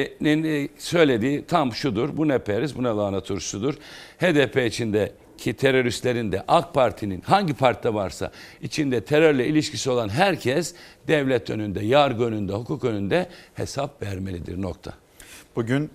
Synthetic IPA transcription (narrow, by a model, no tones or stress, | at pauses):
ninsø̞jlʲe̞d̪iːt̪ʰamʃud̪uɾbunɛpʰeɾizbunalˠaːnat̪ʰuɾsud̪uɾheːd̪epʰeit͡ʃʰind̪ɛ | cʰit̪ʰeɾo̞ɾist̪lʲe̞ɾind̪ɛʔak̚pʰaɾt̪ʰininɦaɲɟipʰaɾt̪d̪ɛvaɾsa̰it͡ʃʰind̪ɛt̪ʰeɾøɾlʲɛilʲiʃcʰisio̞lˠanɦæɾcʰɛsd̪̥ɛvlʲɛt̪ʰø̞̰nynd̪ɛjaɾɡønynd̪ɛɦukʰuːkønynd̪ɛhḛsapvæɾme̞lʲid̪ḭɾno̞̰k̚t̪ʰa̰ | b̥uɟyn